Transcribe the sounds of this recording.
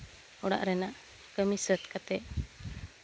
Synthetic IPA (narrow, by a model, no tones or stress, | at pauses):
ɔɽa̰ʔɾɛnaʔ | kəmisət̪kat̪ɛʔ